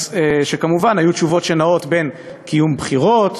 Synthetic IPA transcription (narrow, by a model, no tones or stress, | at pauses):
eʃekamuvanhajutʃuvo̞tʃenao̞tbe̞n | kʰijumbχiʁo̞t